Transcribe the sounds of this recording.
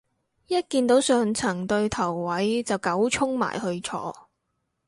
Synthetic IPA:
jɐ˥t̚kiː˧nt̪o˨˥wsœː˨ŋt͡sʰɐ˨˩ŋt̪ɵ˧ɥt̪ʰɐ˨˩wːɐ˨˥jt͡sɐ˨˩wkɐ˨˥wt͡ʃʰʊ˥ŋma̰ː˨˩jhɵ˧ɥt͡ʃʰɔ̰ː˧

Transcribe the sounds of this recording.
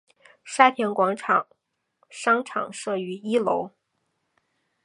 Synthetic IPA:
ʂa˥t̪ʰjɛ˧˥nkwɑ˧˥ŋʈ͡ʂʰɑ˨˩ŋ | ʂɑ˥ŋʈ͡ʂʰɑ̰˨˩ŋʂɤ˥˩y˧˥i˥lo˧˥ʊ

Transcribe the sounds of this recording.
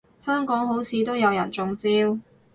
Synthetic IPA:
hœː˥ŋkɔː˨˥ŋɦo˨˥wt͡sʰiː˨˧t̪o˥wjɐ˨˧wjɐ̰˨˩nt͡sʊ˨˧ŋt͡siː˥w

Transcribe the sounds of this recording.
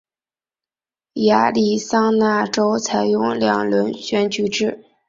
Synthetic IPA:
ja˧˥li˨˩sɑ˥ŋna˥˩ʈ͡ʂo˥ʊt͡sʰa˨˩ɪjʊ˥˧ŋljɑ̰˨˩ŋlwə˧˥nɕɥɛ˧˥nt͡ɕy˨˧˥ʈ͡ʂɻ̩˥˩

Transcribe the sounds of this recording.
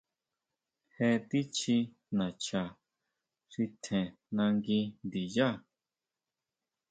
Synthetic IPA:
hɛ˧t̪i˦t͡ʃʰi˧ | nã˨t͡ʃʰa˨ | ʂi˧t̪ʰɛ̃˨ | nã˧ŋɡĩ˧nd̪i˨ja˦˨

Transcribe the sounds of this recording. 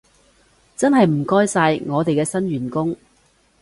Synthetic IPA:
t͡sɐ˥nɦɐ˨jm̩˨˩kɔː˥jsaː˧jŋɔː˨˧t̪e˨jkɛː˧sɐ˥nɥyː˨˩nkʊ˥ŋ

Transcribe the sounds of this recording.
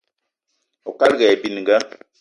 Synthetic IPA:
o˨ka˦lɡɛ˨bi˨ni˨ŋ˨ɡa˦

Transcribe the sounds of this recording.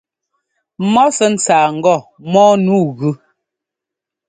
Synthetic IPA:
mɔ˦sɛ˦n̩˨t͡saː˨ŋ̩˨ɡɔ˦˨ | mɔː˦nuː˦˨ɣʉ˦

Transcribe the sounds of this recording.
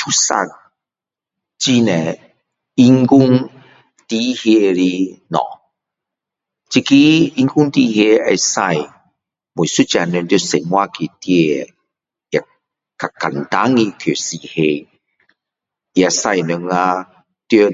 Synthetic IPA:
tʰu˦sa̰˧k̚ | t͡ɕi˦nẽ˨ | i˧ŋku˦ŋ | t̪i˦hje˧˦ɾi˦nɔ̰̃˨ | t͡ɕi˧ki˦i˧ŋku˦ŋt̪i˦hje˧e˧sa˧˨j | mu˨su˦t͡ɕa˧nɛ˧ŋt̪jo˧˦sɛ˨nmwa˦ki˨t̪je˧e˨ | ja˨ | ka˨ka˨nt̪a˦ŋi˧kʰo˨si˧˨he˧ | ja˨sa˧jnu˧ŋa˧ | t̪jo˦

